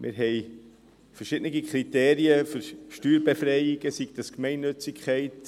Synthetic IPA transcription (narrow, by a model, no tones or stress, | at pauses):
mʔɪ̰ɾɦɛɪ | fəɾʃɪdniɡikχɾiteːɾiəføɾʃtyːɾbefrɛɪɪɡəsiɡ̥d̥əskmɛɪnːɵt͡sɪkʰχɛɪt